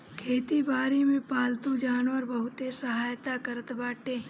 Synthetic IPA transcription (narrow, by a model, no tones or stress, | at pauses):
kʰeːt̪ibaːɾimẽpaːlt̪ũd͡ʒaːnʋəɾbəɦʊt̪esəɦaːjt̪akəɾət̪baːʈeː